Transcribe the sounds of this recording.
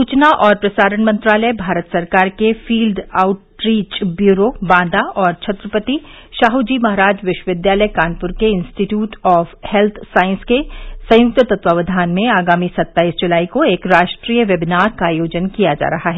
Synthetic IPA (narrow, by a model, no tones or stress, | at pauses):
suːt͡ʃnaʔɔːɾpɾɐsaːɾənmɐ̃nt̪ɾaːləjbʱaːɾət̪sɐɾkaːɾkefiːlɖaːʊʈɾiːt͡ʃbjuːɾobãːd̪aʔɔːɾt͡ʃʰɐt̪ɾəpət̪i | ʃaːɦud͡ʒimɐɦɾaːd͡ʒʋɪʃwəʋɪd̪jaːləjkaːnpʊɾkeɪ̃nsʈiʈjuːʈɔːfhɛlt̪ʰsaːɪ̃nskesɐ̃jʊk̚t̪ət̪ɐt̪waʋəd̪ʱaːnmẽaːɡaːmisɐt̪ːaːiːsd͡ʒʊlaːikoeːkɾaːʃʈɾiːjəʋjɛbɪnaːɾkajoːd͡ʒənkijad͡ʒa̰ːɾɐɦaɦɛː